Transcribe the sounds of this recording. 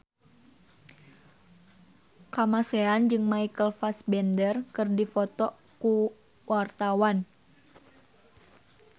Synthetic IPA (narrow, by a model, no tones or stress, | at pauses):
kamaseand͡ʒɨŋmaikəlfasbɛndərkɨrdifɔt̪ɔ | ku | wʔart̪awan